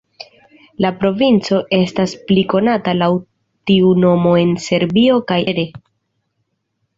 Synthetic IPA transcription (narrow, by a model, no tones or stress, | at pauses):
lapɾo̞vint͡so̞ʔe̞staspliko̞natalaw | tiuno̞mo̞e̞nse̞ɾbio̞kajeɾe̞